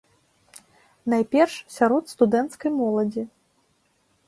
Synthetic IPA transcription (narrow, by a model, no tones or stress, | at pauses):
najpʲɛrʂsʲaɾɔt̪st̪ud̪ɛnt̪skɐjmɔlˠɐd͡zʲi